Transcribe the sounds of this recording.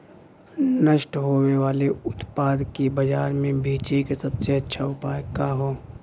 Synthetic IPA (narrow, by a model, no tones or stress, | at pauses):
nəʃʈɦoːweʋaːleʊt̪paːd̪kibɐd͡ʒaːɾmẽbʱiːt͡ʃekesɐbseɐtːʃʰaʊpaːjkaɦoː